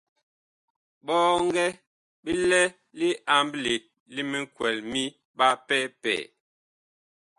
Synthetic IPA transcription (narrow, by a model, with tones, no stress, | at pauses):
ɓɔː˦ŋ˦ɡɛ˦ | bi˦lɛ˦ | li˦a˨mbli˨ | li˦mi˦ŋ˦kwɛ˨lmi˦ | ɓa˦pɛ˦pɛ̰ː˨